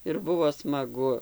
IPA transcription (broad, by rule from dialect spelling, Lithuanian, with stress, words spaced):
ɪr ˈbʊʋoː smɐˈɡʊ